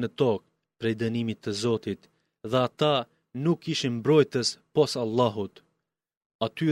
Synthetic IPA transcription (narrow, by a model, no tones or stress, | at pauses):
nət̪ɔk̚ | pɾɛjd̪ənimit̪ːəzɔt̪it̪ | ðɛat̪a | nukːiʃinmbɾɔjt̪əspɔsalˠːaɦut̪ | at̪y